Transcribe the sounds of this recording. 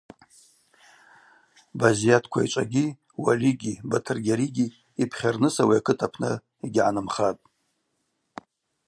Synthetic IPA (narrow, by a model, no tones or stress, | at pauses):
bazijatʰkʷʰa̰it͡ʃʷʼa̰ɡʲi | wa̰liɡʲibatʰɨrɡʲaɾiɡʲi | ipʰχʲarnɨsawiakʰɨtʰapʰnɨ | iɡʲʕanɨmχatʼ